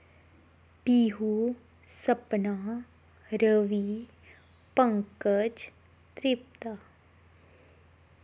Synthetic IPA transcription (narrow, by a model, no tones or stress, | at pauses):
piːɦu | səpnaː | ɾəʋi | pəŋkəd͡ʒ | t̪ɾɪp̚t̪a